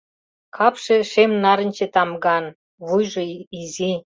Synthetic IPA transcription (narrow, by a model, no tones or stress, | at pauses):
kʰɑpʃeʃemnɑɾə̆nʲt͡ɕet̪ɑmɡɑn | βujʒoizi